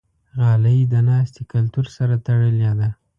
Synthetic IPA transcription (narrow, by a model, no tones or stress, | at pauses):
ɣɑləjid̪ənɑst̪ekalt̪uɾsaɾat̪aɽəljɑd̪a